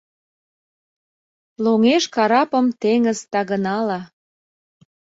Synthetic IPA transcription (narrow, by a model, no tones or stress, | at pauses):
loŋeʃkɑɾɑpəmt̪eŋəzt̪ɑɣənɑlɑ